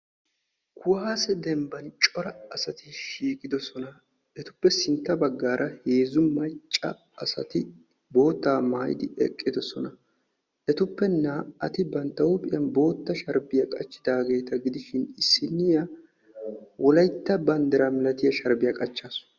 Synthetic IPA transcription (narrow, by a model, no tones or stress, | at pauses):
kʰʊwaːsɛd̪ɛmbɐnt͡ʃʼɔɾɐːsɐt̪ɪʃiːkʼɪd̪ɔsɔnɐ | ʔɛt̪ʊpːɛsɪnt̪ːɐbɐɡːaːɾʔɐheːzʊmːɐjt͡ʃʼːɐ | ɐsɐ̰t̪ɪ | bo̞ːt̪ːaːmaːjɪ̰d̪ɪɛ̰kʼːɪd̪ɔsɔnɐ | ʔɛt̪ʊpːɛnaːʔɐt̪ɪbɐnt̪ːɐwʊpʼɪjɐnbo̞ːt̪ːɐʃɐɾbɪjɐkʼɐt͡ʃːɪd̪aːɡe̞ːt̪ɐɡɪd̪ɪʃɪnɪsːɪnːɪjɐ | wɔlɐjt̪ːɐbɐnd̪ɛɾɐmɛlɐt̪ɪjɐʃɐɾbɪjɐkʼɐt͡ʃːaːs